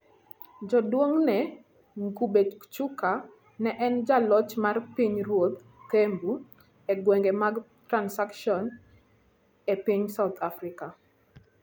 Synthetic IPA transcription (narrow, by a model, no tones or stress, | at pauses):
d͡ʒɔdwoŋnɛ | ŋkubet͡ʃuka | nɛʔɛnd͡ʒalɔt͡ʃmarpiɲɾwot̪̚ | kembu | eɡwɛŋɡemaɡ | tɾansakʃɔn | epiɲsawt̪ʰafɾika